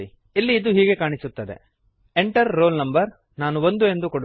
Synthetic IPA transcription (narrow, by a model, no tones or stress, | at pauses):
i | ilːiːd̪uɦiːɡe̞kaːɳisut̪ːɐd̪ḛ | eɳʈɐɾːoːlnɐmbɐɾ | naːnuʋond̪ue̞nd̪ukoɽu